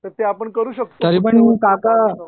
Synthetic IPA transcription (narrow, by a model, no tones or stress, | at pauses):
t̪əɾt̪eapəɳkəɾuːɕək̚t̪t̪əɾipəɳiməkaka